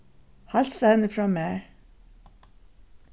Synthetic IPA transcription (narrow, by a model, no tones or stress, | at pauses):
halsɑhɛnːəfɾɑːmæː